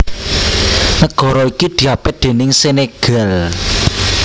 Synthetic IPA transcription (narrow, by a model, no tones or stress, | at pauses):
nəɡ̥ɔ̤ɾɔikid̪̥i̤apɪd̪̥e̤nɪŋseneɡ̥əl